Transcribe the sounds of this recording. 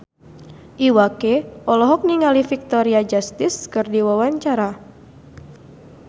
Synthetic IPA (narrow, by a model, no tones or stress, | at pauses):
ʔiwakeɔlɔɦɔk̚niŋalifik̚t̪ɔɾiad͡ʒast̪ɪskɨrdiwawaɲt͡ʃaɾa